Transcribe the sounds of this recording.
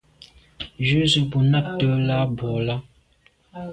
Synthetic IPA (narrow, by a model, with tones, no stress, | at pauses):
d͡ʒʉ˦zə˦˨bu˨na˦˨p̚tə˦la˦bɔ˨la˦